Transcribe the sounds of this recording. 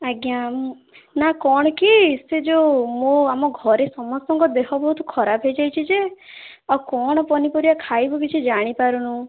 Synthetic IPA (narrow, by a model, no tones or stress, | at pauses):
aɡja | nakɔɽ̃ɔkised͡ʒomõamɔɡʱɔɾesɔmɔst̪ɔŋkɔd̪ekʰɔbɔɦut̪ʰukʰɔɾabʰʱɦejd͡ʒajt͡ʃʰid͡ʒeawkɔɽ̃ɔpɔnipɔɾiakʰajbɔbit͡ʃʰid͡ʒaɽ̃ipaɾunu